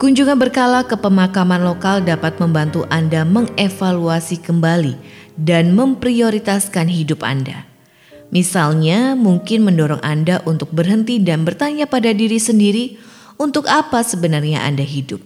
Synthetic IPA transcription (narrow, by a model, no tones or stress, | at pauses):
kuɲd͡ʒuŋanbərkalakəpəmakamanlokaldapat̪̚məmbant̪uʔandaməŋefaluasikəmbalidanməmpɾioɾit̪askanɦidʊpa̰nda̰ | misalɲamuŋkɪnməndɔɾɔŋʔandaʔunt̪ʊk̚bərɦənt̪idanbərt̪aɲapadadiɾisəndiɾi | unt̪ʊkapasəbənarɲa̰ʔa̰ndaɦidʊp̚